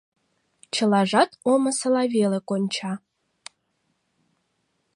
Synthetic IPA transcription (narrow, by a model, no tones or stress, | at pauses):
t͡ʃʰɨlaʐatʰʼomɐsɐlavelekʷʼonʲt͡ʃʰa